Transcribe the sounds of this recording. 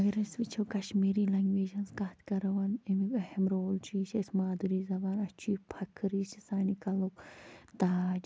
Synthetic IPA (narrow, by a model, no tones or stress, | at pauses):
ɐɡɐɾɐsʋit͡ʃʰoːkɐʃmiːɾiːlɐŋɡʋeːd͡ʒɐnskɐt̪ʰkɐɾɐwɐnemiɐhemɾoːlt͡ʃʰiːt͡ʃʰesmaːd̪uɾiːzɐbaːnɐt͡ʃʰuipʰɐkʰːɨɾiːt͡ʃisaːnikɐlokt̪aːd͡ʒ